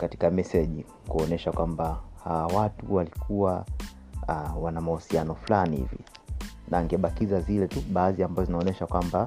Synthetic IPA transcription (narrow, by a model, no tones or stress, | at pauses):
kati̥kamɛsɛʄi | kuɔnɛʃakwambahawawatuwalikʰuwa | wanamahusianɔflanihḭvḭ | naːŋɡɛɓakizazilɛtuɓaːziambazɔzinaɔnɛʃakwamba